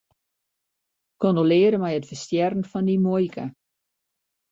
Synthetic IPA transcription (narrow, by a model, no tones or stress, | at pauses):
kondolɪːəɾəmɛjətfərstjɛrn̩fɔndimojkʰə̰